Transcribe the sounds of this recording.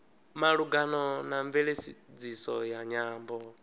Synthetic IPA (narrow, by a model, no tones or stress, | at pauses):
maɺuɡanɔnaɱvɛɺesid͡zisɔ̰jaɲaːmbɔ